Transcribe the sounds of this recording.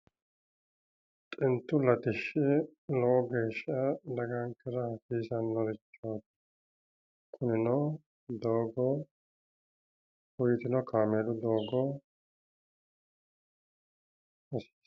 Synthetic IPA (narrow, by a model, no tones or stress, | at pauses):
t̪ʼɪnt̪ːʊlɐt̪ɪʃːɪlɔʔɔɡe̞ːʃɐd̪ɐɡaŋkʼɪɾɐhɐfiːsɐnːɔɾɪt͡ʃːoːt̪ | kʰʼʊnɪnɔ | d̪oːɡɔ | ʊjɪt̪ɪnɔkaːmeːlʊd̪o̞ːɡɔ | ɔsi̥